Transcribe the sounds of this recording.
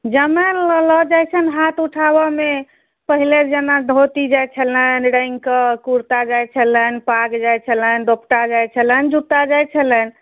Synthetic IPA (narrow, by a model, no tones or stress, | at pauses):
d͡ʒəməllɔd͡ʒajt͡ʃʰənɦat̪uʈʰabɔme | pəɦiled͡ʒənad̪ʱot̪id͡ʒajt͡ʃʰələnɾə̃j̃ŋɡkəkuɾt̪ad͡ʒajt͡ʃʰələnpaɡd͡ʒajt͡ʃʰələnd̪opʈad͡ʒajt͡ʃʰələnd͡ʒut̪ad͡ʒajt͡ʃʰələn